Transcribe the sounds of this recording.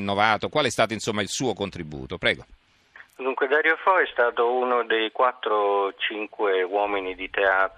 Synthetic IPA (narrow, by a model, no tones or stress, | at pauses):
nːovaːt̪okwaːleɛst̪aːt̪oinsomːailsuːokont̪ɾibṵːt̪opɾɛːɡo | d̪uŋkwed̪aɾjofɔɛst̪aːt̪ounod̪ejkwat̪ːɾot͡ʃiŋkwewɔːminid̪it̪eaːt̪